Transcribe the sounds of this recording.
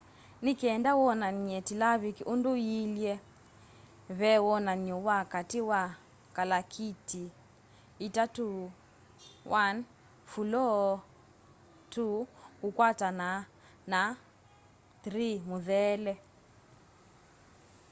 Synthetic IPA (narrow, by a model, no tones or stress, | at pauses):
nikɛɛndawɔnaɲiɛtilaβikiʔunduiljɛ | βɛwɔnaɲɔwakatiwa | kalakʰiti | itatu | wʔan | fulɔ | tukukwatana | na | θɾimuðɛlɛ